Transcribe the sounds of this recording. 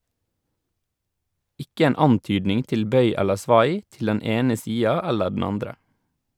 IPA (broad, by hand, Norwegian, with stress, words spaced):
ˈɪkə ˈeːn ˈɑntyːdnɪŋ ˈtɪl ˈbœʏ ˈɛləɾ ˈsʋɑj ˈtɪl ˈdɛn ˈeːnə ˈsiːɑ ˈɛlə ɖɳ̩ ˈɑndɾə